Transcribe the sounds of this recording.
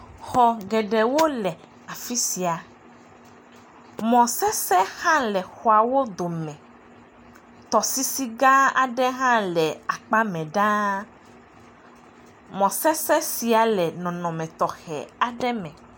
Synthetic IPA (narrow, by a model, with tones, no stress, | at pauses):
xɔ˨ɡɛ˨ɖɛ˨wo˦lɛ˨ | a˨fi˦si˨a˨ | mɔ̃˨sɛ˦sɛ˦hã˦lɛ˨xɔ˨a˨wo˦d̪o˨mɛ̃˨ | t̪ɔ˨si˦si˦ɡã˦a̰˨ɖɛ˦ɦã˦lɛ˨a˨k͡pa˦mɛ̃˨ɖã˦ | mɔ̃˨sɛ˦sɛ˦si˨a˨lɛ˨nɔ̃˨nɔ̃˨mɛ̃˨t̪ɔ˨xɛ̰˨a˨ɖɛ˦mɛ̃˨